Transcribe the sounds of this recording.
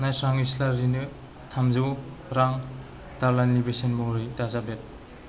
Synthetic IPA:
najsɾaŋislaɾinɯ | tʰamzɯɾaŋ | d̥aɾlanlibesenmoɾijdazabet̚

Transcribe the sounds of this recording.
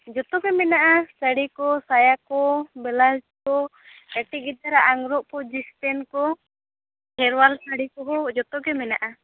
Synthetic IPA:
d͡ʒɔt̪ɔkɛmɛnaʔasaɽikɔsajakɔbɛlad͡ʒkɔ | ɛʈiɡit̪aɾaʔaŋɾɔʔkɔd͡ʒist̪ɛnkɔ | hɛɾwalsaɽikɔɦɔd͡ʒɔt̪ɔkɛmɛnaʔa

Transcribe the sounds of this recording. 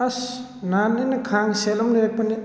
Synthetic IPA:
ɐs | nanenɐkʰaŋselɔmniɾek̚pɐni

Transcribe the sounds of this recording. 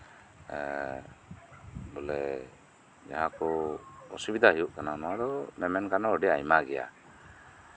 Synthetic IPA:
bɔlɛ | d͡ʒa̰ɦakɔɔsubid̪ʱaɦijuʔkananaad̪ɔmɛmɛnkanɔːɖiajmaɡɛja̰

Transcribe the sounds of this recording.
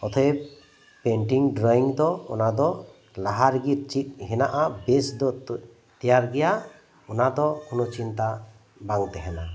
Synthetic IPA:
ɔt̪ʰɔɛ | pɛɳʈiŋɖɾɔiŋd̪ɔɔnad̪ɔ | laɦaɾɡiɾt͡ʃit̪̚ɦɛnaʔabɛsd̪ɔ | t̪ɛjaɾɡɛja | ɔnad̪ɔkʰunɔt͡ʃint̪a | baŋt̪ɛɦɛna

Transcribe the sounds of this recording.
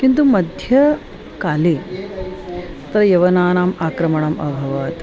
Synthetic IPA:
kint̪umɐd̪ʱjɐ | kaːli | t̪ɐɾɐjɐʋɐnaːnaːmaːkɾɐmɐɳaːmɐ̰bʱɐʋɐːt̪

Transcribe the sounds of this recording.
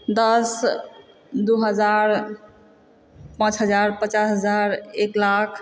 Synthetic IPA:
d̪ʌs | d̪uɦəd͡ʒaɾ | pãt͡ʃɦəd͡ʒaɾpət͡ʃasɦəd͡ʒaɾeklakʰ

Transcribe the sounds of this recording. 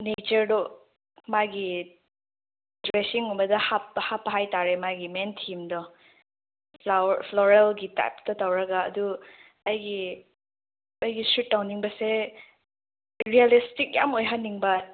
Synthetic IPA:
net͡ʃɐɾdɔ | majɡi | dɾesiŋubɐdɐhap̚ːɐhapːɐɦajtaɾemajɡimentʰimdɔ | pʰlɔɾelɡita̰jp̚tɐtawɾɐɡaːdu | ɐjɡi | ɐjɡisutːawniŋbɐse | ɾialistik̚jamojɦanːiŋbɐ

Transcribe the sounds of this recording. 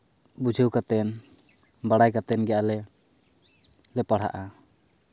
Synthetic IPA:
bud͡ʒʱəwkat̪ɛn | baɽajkat̪ɛnɡɛjʔalɛ | lɛpaɽ̤a̰ʔa

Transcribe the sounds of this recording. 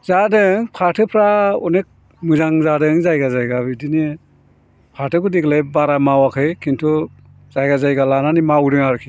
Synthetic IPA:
zadɯŋpʰaɾtʰɯpʰɾaɔ̰nek̚ | mɯzaŋzadɯŋzajɡazajɡabidini | pʰaɾtʰɯkudiklajbaɾamawakʰɯjkʰintʰu | z̥ajɡazajɡalananimawudɯŋaɾkʰi

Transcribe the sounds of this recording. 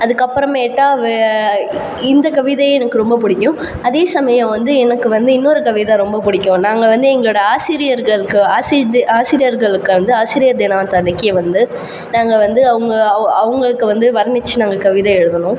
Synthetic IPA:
ɐðɯkːɐpːɯɾɐmeːʈːaːʋ | ɪnd̪ɐkɐʋɪðɐjɛnɐkːɯɾɔmbɐpʊɽɪkʲːʊ̃ | ɐðeːsɐmɐjɐ̃ʋɐnd̪ɯɛnɐkːɯʋɐnd̪ɯɪnːɔɾɯkɐʋɪðaɾɔmbɐpʊɽɪkʲːʊ̃naːŋɡɐʋɐnd̪ɯɛŋɡɐɭoːɽɐaːsɪɾɪjɐɾɣɐɭɯkːɯaːsɪaːsɪɾɪjɐɾɣɐɭɯkːɯɐnd̪ɯaːsɪɾɪjɐɾd̪ɪnaːt̪ɐɳːɪkːeʋɐnd̪ɯ | naːŋɡɐʋɐnd̪ɯɐʋɐŋɡɐɐɐʋɐŋɡɐɭɯkːɯʋɐnd̪ɯʋɐɾɐnɪt͡ʃːɯnaːŋɡɐkɐʋɪðɐɛɻɯðɐnʊ̃

